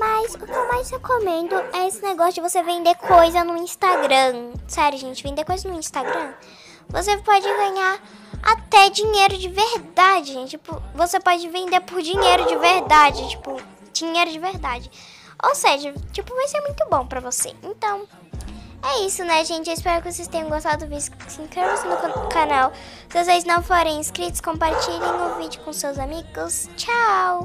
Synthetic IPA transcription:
mɐzʊkɪewmajzhekomẽnd̪ʊɛesɪneɡɔsjʊd͡ʒɪvosevẽnd̪eɾkʰojzɐnʊĩst̪aɡɾɐ̃sɛɾjʊʒẽnt͡ʃɪvẽnd̪ekojzɐznʊĩst̪aɡɾɐ̃ | vosepɔd͡ʒɪɡɐ̃ɲaɾ | a̰t̪ɛd͡ʒiɲejɾʊd͡ʒɪveɾd̪ad͡ʒɪʒẽt͡ʃɪt͡ʃipʊvosepɔd͡ʒɪvẽnd̪eɾpoɾd͡ʒiɲejɾʊd͡ʒɪveɾd̪ad͡ʒɪt͡ʃi̥pʊ | d͡ʒiɲejɾʊd͡ʒɪveɾd̪ad͡ʒɪ | o̰wseʒɐt͡ʃipʊvajseɾmũj̃t̪ʊbõw̃pɾɐvosḛẽnt̪ɐ̃w̃ | ɛisʊnɛʒẽnt͡ʃɪɪspɛɾʊkɪvosejst̪ẽɲ̃ɐ̃ɡost̪ad̪ʊdʊvisʊ̥sĩkɾevvɐsɪnʊkanaw | sɪazvezɪznɐ̃w̃foɾẽj̃ĩskɾit̪ʊ̥skõmpaɾt͡ʃiɾẽj̃ʊvid͡ʒʊkõʊsewzamiɡʊst͡ʃaw

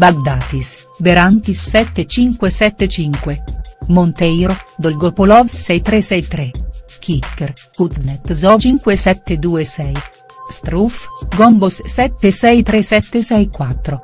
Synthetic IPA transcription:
baɡ̚d̪aːt̪is | beɾant̪isːɛt̪ːet͡ʃiŋkwesɛt̪ːet͡ʃiŋkwemont̪ɛjɾod̪olɡopolɔvsɛjt̪ɾesɛjt̪ɾekʰikːeɾkuznet̪zɔt͡ʃiŋkwesɛt̪ːed̪uesɛj | st̪ɾufɡɔmbossɛt̪ːesɛjt̪ɾesɛt̪ːesɛjkwat̪ːɾo

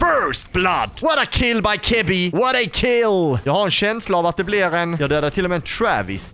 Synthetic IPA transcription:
fɜɹst̪̚b̥lad̪̥wɔɾakʰɪlbajkʰɪbɪwɔɾakʰɪljɑːɡhaɾɛnɕɛnslaːvat̪̚d̪ɛblɪɾɛnjɑːɡd̪øːd̪aʈʰɪlːɔmɛnt̪ʰɾævɪ̰s

